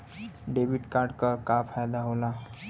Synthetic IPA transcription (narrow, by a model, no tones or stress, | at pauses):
ɖebiʈkaːɾɖkakapʰajd̪aɦoːla